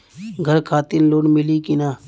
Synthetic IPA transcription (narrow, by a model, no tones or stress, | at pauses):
ɡʱəɾkʰaːt̪ɪnloːɳmɪliːkɪnaː